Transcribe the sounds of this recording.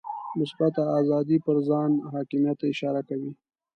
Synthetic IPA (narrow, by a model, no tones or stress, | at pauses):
mɪsbat̪aːzɑd̪ipəɾzɑnɦɑkɪmijat̪ːaɪʃɑɾakawi